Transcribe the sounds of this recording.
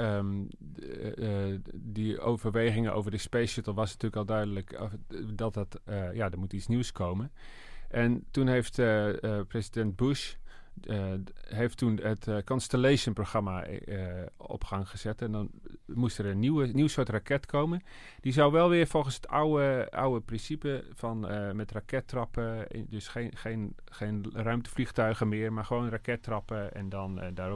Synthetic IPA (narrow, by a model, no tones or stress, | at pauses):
dəo̰wvərʋeːɣɪŋəʔo̰wvərdəspeːsətəlˠʋɑsnatyːləkɔlˠdœɥdələkdɔt̚ɔtjadəmutit͡sniwskʰoːmən | ʔɛntunɦejftprezidɛnt̚buʃ | ɦejftːunətkɔnstəlejʃənproxrama | ɔ̰pxaŋxəz̥ɛtɛndɔnmustərəniwəniwsoːtrakɛtkʰowmən | d̥izawʋɛlˠʋɪərfɔlˠxənshətawəʔa̰wəprɪnsipəfɔnmɛtrakɛtrɔpə̰døsxexen | xeːnrœɥmtə̥flixtœɥɣəmɪərmarχəʋoːnrakɛtrɑpəɛ̰ndɔndar